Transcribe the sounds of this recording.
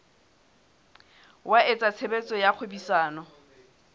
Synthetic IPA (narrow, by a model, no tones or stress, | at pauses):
waet͡sʼat͡sʰebet͡sʼɔjak͡xʰʊbisaːnɔ